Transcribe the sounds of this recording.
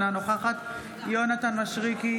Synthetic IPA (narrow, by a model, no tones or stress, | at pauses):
nanoχaχat̪ | jonat̪anmaʃʁiki